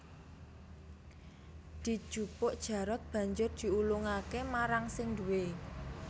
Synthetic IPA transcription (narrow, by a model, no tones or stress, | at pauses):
d̪̥i̤̥ʒ̥ṳpʊʔd̥ʒ̥ä̤ɾɔt̪̚b̥ä̤ɲd͡ʒʊrd̪̥i̤ulʊŋakemaɾaŋsɪŋd̪uwe